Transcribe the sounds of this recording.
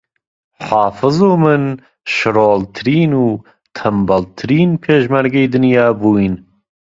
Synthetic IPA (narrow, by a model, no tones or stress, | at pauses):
ħɑːfɨzuːmɨn | ʃɨɾoːlt̪ʰɨɾiːnuː | t̪ʰɐmbɐlt̪ʰɨɾiːnpʰeːʃmaɾɡeːd̪ɨnjɑːbuːin